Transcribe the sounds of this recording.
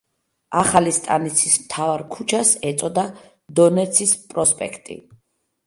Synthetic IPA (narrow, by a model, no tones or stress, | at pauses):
aχalist̪ʼa̰nit̪sʰismt̪ʰavaɾkʰut͡ʃʰasɛt̪sʼɔd̪a | d̪ɔnɛt̪sʰispʼɾɔspʼɛ̰kʰt̪ʼḭ